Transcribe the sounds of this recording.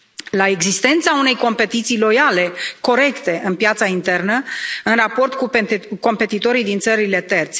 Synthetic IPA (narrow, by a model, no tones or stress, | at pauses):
lae̞ɡzist̪e̞nt̪saune̞jko̞mpe̞t̪it̪sijlo̞jale̞ko̞ɾe̞kt̪e̞ʔɨnpjat̪saint̪e̞rnəɨnrapo̞rt̪kuko̞mpe̞t̪it̪o̞ɾijd̪int̪səɾile̞t̪e̞rt̪sʲ